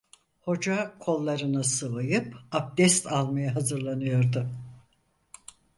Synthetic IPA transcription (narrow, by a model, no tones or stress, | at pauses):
ho̞d͡ʒakʰo̞lˠːaɾɯnasɯvɯjɯpap̚d̪ɛst̪ʰalˠmajaɦazɯɾlˠanɯjo̞ɾd̪ʊ